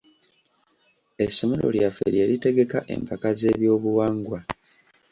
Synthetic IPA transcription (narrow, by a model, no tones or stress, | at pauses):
e̞sːo̞me̞ɾo̞̰ljafe̞̰ɾje̞ːɾite̞ɡe̞kaʔe̞̰mpʰakaze̞ːβjo̞ːβuwaːŋɡwa